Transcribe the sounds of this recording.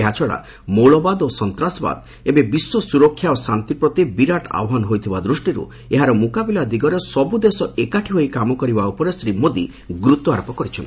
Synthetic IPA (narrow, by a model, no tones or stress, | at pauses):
eɦat͡ʃʰɔɽa̰ | moɭɔbad̪osɔnt̪ɾasɔba̰d̪ | ebebisːɔsuɾɔkʰːjaosant̪ipɾɔt̪ibiɾaʈa̰wɔɦɔnɔɦojt̪ʰibad̪ɾusʈiɾṵ | eɦaɾɔmukabilad̪iɡɔɾesɔbud̪esɔekaʈʰiɦojkamɔkɔɾibaupɔɾesɾimod̪i | ɡɾut̪ɔaɾpɔkɔɾit͡ʃʰɔ̰n